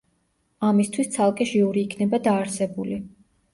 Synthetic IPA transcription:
amist̪ʰwist̪sʰalˠkʼɛʃiuɾiːkʰnɛbad̪aːɾsɛbuli

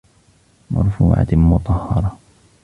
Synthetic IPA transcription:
mɑ̰ɾˤfuːʕa̰mʊt̪ˤɑhːɑɾˤɑ

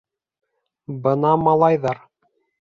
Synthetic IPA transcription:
bɤnɑmɑlˠɑjðɑɾ

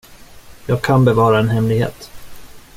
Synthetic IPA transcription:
jɑːɡ̚kʰanbɛvɑːɾaɛnɦɛmlɪɡhḛːt̪

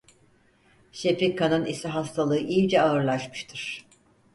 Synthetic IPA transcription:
ʃepikʰːanɯnisiɦast̪ʰalˠɯɯʔilʲd͡ʒɛaɯɾlˠaʃmɯ̥ʃt̪ʰɯɾ̥

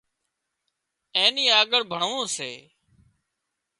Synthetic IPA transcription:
ẽːniːaːɡəɽbʱəɳʋõːseː

